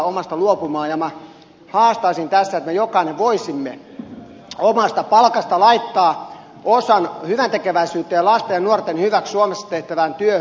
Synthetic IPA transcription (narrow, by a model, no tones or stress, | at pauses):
omɑst̪ɑluopumɑːjɑmɑ | hɑːst̪ɑisint̪æsːæet̪mejokɑˑineʋʋoisimːe | omɑst̪ɑpɑlkɑst̪ɑlɑit̪ːɑː | ʔosɑnhyʋænt̪ekeʋæisyːt̪ːejɑlɑst̪ejɑnuort̪ːenhyʋækssuomesːɑ̥t̪eht̪æʋænt̪yøh